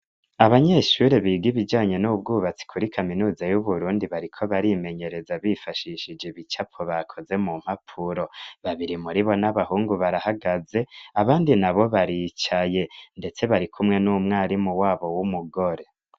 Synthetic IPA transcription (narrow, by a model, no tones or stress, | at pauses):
aβaɲeʃuɾeβiːɡiβid͡ʒaːɲe̞nub̚ɡuːβat͡si̥kʰuɾikʰaminuːzajuβuɾuːndiβaɾikʰo̞βaɾime̞ɲe̞ɾe̞zaβifaʃiʃid͡ʒeβit͡ʃapoβakʰo̞ze̞mum̥hapʰuɾoβaβiɾimuɾiβo̞naβahuːŋɡuβaɾahaɡaze̞aβaːndinaβo̞βaɾit͡ʃaje̞nde̞t͡se̞βaɾikʰumŋe̞numŋaːɾimuwaːβo̞wumuɡo̞ɾe̞